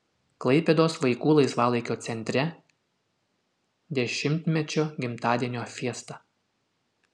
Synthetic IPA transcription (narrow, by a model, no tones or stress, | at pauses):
klˠɐɪpʲɛd̪oːsʋɐɪkuːlˠɐsʋɑːlˠɐɪkʲoːt̪sʲɛnʲt̪ʲɾʲɛ | d̪ʲɛʃʲɪmʲt̪ʲmʲɛt͡ʃʲoːɡʲɪmt̪ɑːd̪ʲiɛnʲoːfʲiɛst̪ɑ